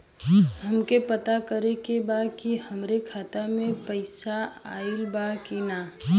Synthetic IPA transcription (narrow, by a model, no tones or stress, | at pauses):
ɦɐmkepət̪akəɾekebaːd̪kiɦɐmɾekʰaːt̪amẽpəɪsaa̰ːɪlbakinaː